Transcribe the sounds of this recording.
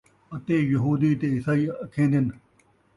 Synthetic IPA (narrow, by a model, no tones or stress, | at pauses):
ɐt̪eːjɐɦuːd̪iːt̪eːɪsaiːkʰẽːnd̪ɪn